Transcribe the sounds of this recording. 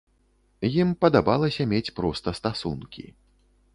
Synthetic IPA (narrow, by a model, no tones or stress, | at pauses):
jimpɐd̪abalˠɐsʲɐmʲet͡sʲpɾɔst̪ɐst̪asṵnkʲḭ